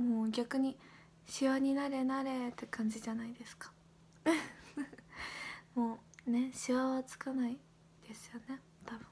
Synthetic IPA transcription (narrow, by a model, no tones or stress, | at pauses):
moːɡʲakɯ̟ɲ̟i | ɕiβaɲ̟inaɾe̞naɾe̞t̪ːekʰãɲ̟d͡ʑiʑanaid̪e̞sɨ̥kḁ | moːne̞ɕiβaβat͡sɨ̥kanai | d̪̥e̞sɨ̥jo̞ne̞ | t̪ʰabɯ̟̃